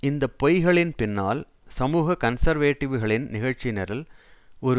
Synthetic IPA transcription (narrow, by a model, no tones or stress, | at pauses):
ɪnd̪ɐpɔjɣɐɭɪnpɪnːaːl | sɐmuːɣɐkɐnsɐɾʋeːʈːɪʋɯɣɐɭɪnnɪɣɐɻt͡ʃɪnɐɾɪlɔɾɯ